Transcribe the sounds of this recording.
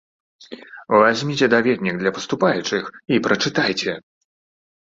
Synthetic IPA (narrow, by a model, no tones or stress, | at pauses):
vazʲmʲit͡sʲɛd̪avʲɛd̪ʲnʲiɡ̚d̪lʲɐpɐ̥st̪upajut͡ʂɨxipɾɐt͡ʂɨt̪ajt͡sʲɛ